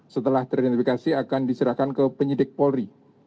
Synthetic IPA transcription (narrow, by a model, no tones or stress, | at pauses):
sət̪əlaht̪əɾidɛnt̪ifikasiakandisəɾahkankəpəɲidɪk̚pɔlɾi